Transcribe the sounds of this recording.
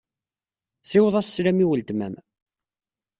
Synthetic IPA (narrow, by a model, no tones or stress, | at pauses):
sɪwəðˤɑsːɾæmiwəld̪mæ̰m